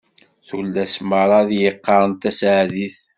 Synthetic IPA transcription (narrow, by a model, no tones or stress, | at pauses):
θulːæsməɾˤɑðjəqːɑɾˤənt̪æsʕðiθ